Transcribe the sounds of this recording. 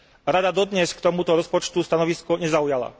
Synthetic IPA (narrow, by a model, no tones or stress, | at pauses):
ɾad̪ad̪ɔd̪ɲɛskt̪ɔmut̪ɔɾɔspɔt͡ʃt̪ust̪anɔʋiskuɲɛzaujala̰